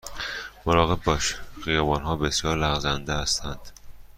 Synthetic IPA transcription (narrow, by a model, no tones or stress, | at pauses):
moɾɒːɣe̞bːɒːʃxijɒːbɒːnɦɒːbesjɒːɾlæɣzænd̪ehæst̪ʰænd̪̥